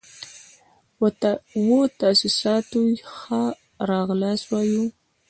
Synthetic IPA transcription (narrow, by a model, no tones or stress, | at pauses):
wot̪asisɑt̪ujxa | ɾɑɣlɑswɑju